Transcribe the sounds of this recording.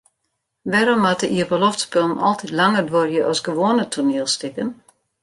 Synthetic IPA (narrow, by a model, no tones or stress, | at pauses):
ʋɛɾɔmatəʔiəbəlɔftspølˠnɔ̰lˠtʰitlaŋərdʋorjəʔɔsɡəʋoːnətʰuneəlˠstɪkən